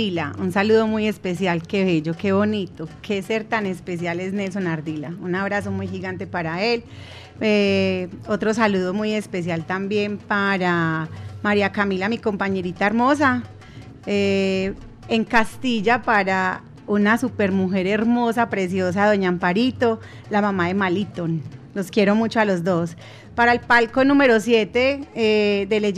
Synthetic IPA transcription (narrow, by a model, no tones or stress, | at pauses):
ilaunsaluðo̞muje̞spe̞s̬jalke̞βeʝo̞ke̞βo̞nit̪o̞kʰe̞se̞ɾt̪ane̞spes̬jale̞sne̞ls̬o̞naɾd̪ilaunaβɾas̬o̞mujxiɣant̪e̞paɾae̞l | e | o̞t̪ɾo̞s̬aluðo̞muje̞spe̞s̬jalt̪ambje̞mpaɾamaɾiakamilamiko̞mpaɲe̞ɾit̪aeɾmo̞s̬a | e | eŋkast̪iʝapaɾa | unasupe̞ɾmuxe̞ɾeɾmo̞sapɾe̞s̬jo̞s̬aðo̞ɲaːmpaɾit̪o̞ | lamamaðe̞malit̪onlo̞skjeɾo̞mut͡ʃoalo̞zd̪o̞s | paɾaelpalko̞nũme̞ɾo̞sje̞t̪e̞ed̪ele